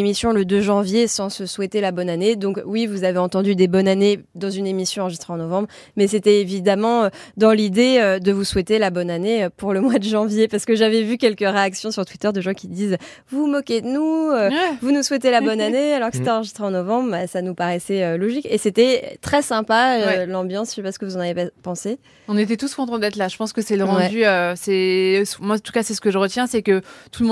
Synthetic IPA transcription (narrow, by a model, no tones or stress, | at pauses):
emisjɔ̃ləd̪øʒɑ̃vjesɑ̃səswɛt̪elabɔnaned̪ɔ̃kwivuzaveɑ̃t̪ɑ̃d̪yd̪ebɔnaned̪ɑ̃zynemisjɔ̃ɑ̃ʁəʒist̪χeɑ̃nɔvɑ̃bʁ | mɛset̪ɛevid̪amɑ̃ød̪ɑ̃lid̪eød̪əvuswɛt̪elabɔnaneøpuʁləmwad̪əʒɑ̃vjepaʁsə̥kəʒavɛvykʲɛlkəʁeaksjɔ̃syʁt̪wit̪œʁd̪əʒɑ̃kʲid̪iz | vumɔkʲed̪ənuøvunuswɛt̪elabɔnanealɔʁkə̥set̪ɛɑ̃ʁəʒist̪χeɑ̃nɔvɑ̃bʁasanupaʁɛsɛølɔʒikeset̪ɛ̰t̪χɛsɛ̃paøɛlɑ̃bjɑ̃sʃepasəkəvuzɑ̃navepapɑ̃se | ɔ̃net̪ɛt̪uskɔ̃t̪ɑ̃t̪d̪ɛt̪χlaʒəpɑ̃skəsɛləɑ̃wɛd̪yøsɛsmwãt̪u̥kasɛsə̥kəʒəʁət̪jɛ̃sɛkət̪uləmɔ̃